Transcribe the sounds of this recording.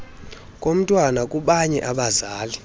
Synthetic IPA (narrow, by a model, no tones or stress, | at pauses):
kʼom̩tʼwanakʼuɓaɲɛʔaɓazaːli